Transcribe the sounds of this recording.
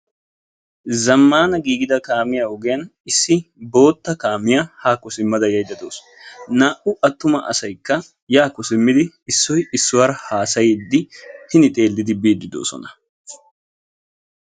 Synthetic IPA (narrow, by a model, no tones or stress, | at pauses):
zɐmːaːnɐɡiːɡɪd̪ɐkaːmɪjaʊɡɪjɐnɪsːɪbo̞ːt̪ːɐkaːmɪjahaːkʊsɪmːɐd̪ɐjɐjd̪ɐd̪o̞ːsɔ̥ | naːʔʊʔɐt̪ːʊmɐʔɐ̰sɐjkːɐ | jaːkʊsɪmːɪd̪ɪ | ɪsːɔjɪsːʊwaːɾɐhaːsɐjd̪ːɪhɪnɪt̪ʼe̞ːld̪ːɪd̪ɪbiːd̪ːɪd̪o̰ːsɔ̰nɐ̥